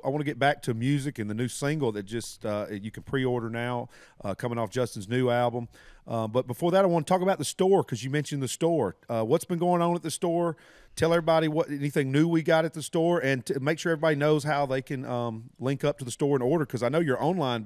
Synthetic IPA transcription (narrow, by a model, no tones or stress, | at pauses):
aɪwɑ̃nɨɡɛt̚b̥æk̚tʰɨmjʉzɨkɨ̃nðɨnʉsɪ̃ŋɡl̩ˠðɨt̚d̥ʒ̥ʌstʌjɨkn̩pʰɹ̥iɔɹɾə˞naʊ | ʔʌkʰʌ̃mɪ̃ŋɔfd̥ʒ̥ʌstn̩znʉælˠbə̃m | ʔʌbʌt̚b̥əfɔɹðɨɾaɪwɑ̃nətʰɔkəbaʊt̪̚ðəstɔɹkʰʌzjɨmɛ̃nʃɨ̃nðɨstɔɹʌwʌtsb̥ɨ̃nɡoʊɪ̃ŋə̃nət̪̚ðɨstɔɹ | tʰɛlˠɛvɹibɑɾiwʌɾɛniθɪ̃ŋnʉwiɡɑɾɨt̪̚ðɨstɔɹɨ̃nmeɪkʃʊɹɛvɹibɑɾinoʊz̥ɦaʊðeɪkʰɨ̃nʌ̃mlɪ̃ŋkʌp̚tʰɨðəstɔɹɨ̃nɔɹɾə˞kʰʌzaɪnoʊjə˞ʔõ̰ʊ̃nlãɪ̃n